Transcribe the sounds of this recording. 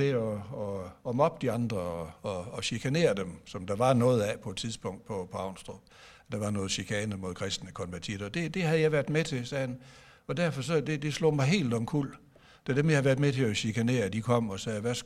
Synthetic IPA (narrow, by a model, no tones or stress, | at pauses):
e̝ɒɒːmɒ̽b̥̚d̥iɑ̈nd̥ʁɐɒɒ̽ːɕikʰæne̝̰ːɐd̥emsɒ̽md̥ɑ̈ʋɑ̈nɔ̽ːð̩ˠæpʰɒ̽e̝d̥t͡sʰiðˠsb̥ɔ̽ŋ̰d̥̚pʰɒpʰɒ̽ɑ̈ʊnsd̥ʁɔb̥ | d̥ɑ̈ʋɑ̈nɔ̽ːð̩ˠɕikʰɛːnəmo̝ðˠkʰʁɛsd̥nəkʰɒ̽nʋæɐt͡sʰḭɐð̩ˠɒd̥e̝d̥e̝hæðˠjɑ̈ɪʋæɐd̥met͡sʰe̝sɛːhæn | ɒ̽d̥æɐ̰fɒ̽sɒ̽d̥e̝d̥e̝slo̝̰ːmɑ̈ɪɦe̝̰ːld̥ɒ̽mkʰul̰ | d̥e̝ɐd̥emjɑhɑʋæɐd̥ˠmet͡sʰe̝ɒɕikʰæne̝̰ːɐd̥ikʰɒ̽m̰ɒ̽sɛːʋæs